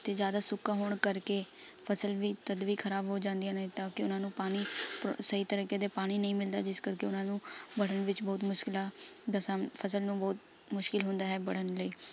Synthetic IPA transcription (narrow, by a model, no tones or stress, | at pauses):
t̪eːd͡ʒjaːd̪aːsʊkːaːɦoːɳkəɾkeː | pʰəsəlʋiːt̪əd̪ʋiːkʰəɾaːbɦoːd͡ʒãːnd̪ijãːñːt̪ãːkɪʊnãːnũːpaːñiːpsəiːt̪əɾiːkeːd̪eːpaːɽ̃iːnəĩːmɪld̪aːd͡ʒɪskəɾkeːʊnãːnũːbəɽəɳʋɪt͡ʃbɔːt̪mʊʃkɪlaːd̪asapʰəsəlnũːbɔːt̪ | mʊʃkɪlɦʊ̃nd̪aːɦɛːbəɽ̤ənləiː